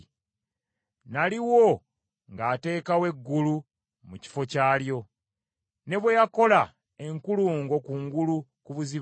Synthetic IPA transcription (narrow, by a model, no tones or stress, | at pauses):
naliwo̞ | ŋɡaːte̞ːkawe̞ɡːulu | muci̥fo̞caːljo̞ | ne̞βwe̞jako̞la | e̞ŋkuluːŋɡo̞kuːŋɡulukuβuzi